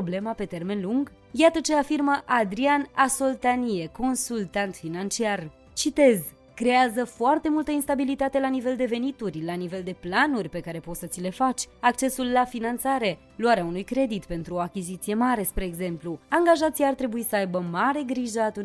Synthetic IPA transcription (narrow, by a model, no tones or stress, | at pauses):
oble̞mape̞t̪e̞rme̞nluŋɡ | jat̪ət͡ʃe̞afirməʔad̪ɾianaso̞lt̪anie̞ko̞nsult̪ant̪finant͡ʃiar | t͡ʃit̪e̞z | kɾe̞azəfoart̪e̞mult̪əinst̪abilit̪at̪e̞lanive̞ld̪e̞ve̞nit̪urʲlanive̞ld̪e̞planurʲpe̞kaɾe̞po̞t̪sət̪sile̞fat͡ʃʲak̚t͡ʃe̞sulːafinant̪saɾe̞ | luaɾeaunujkɾe̞d̪it̪pe̞nt̪ɾuo̞akʲizit̪sije̞maɾe̞spɾe̞ːɡze̞mpluaŋɡaʒat̪sijart̪ɾe̞buisəajbəmaɾe̞ɡɾiʒəat̪u